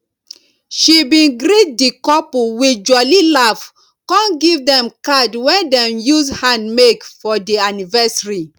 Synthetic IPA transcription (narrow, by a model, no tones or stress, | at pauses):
ʃibĩnɡɾit̚dikɔpuwid͡ʒɔlilaf | kɔ̃nɡivdɛ̃mkadwɛ̃ndɛ̃mjushãndmekfɔdianivɛsɹi